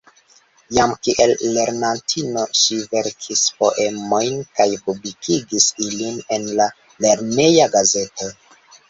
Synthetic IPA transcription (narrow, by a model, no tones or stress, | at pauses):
jamkiʔe̞lːe̞ɾnantʰino̞ʃive̞ɾkʰispo̞ʔe̞mo̞jnkajpublikʰiɡisiline̞nla | le̞ɾne̞jaɡaze̞to̞